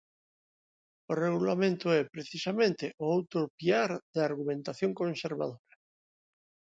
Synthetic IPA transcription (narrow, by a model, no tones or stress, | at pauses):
oreɣulamẽnt̪oɛpɾeθisamẽnt̪eʔoawt̪opiaɾðaɾɣumẽnt̪aθjõŋkõnseɾβa̰ðoɾa